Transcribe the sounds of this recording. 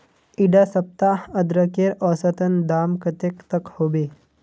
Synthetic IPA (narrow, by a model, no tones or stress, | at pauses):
iɖasəp̚t̪aəd̪ɾəkeɾɔsət̪ənd̪amkət̪ekt̪əkhobe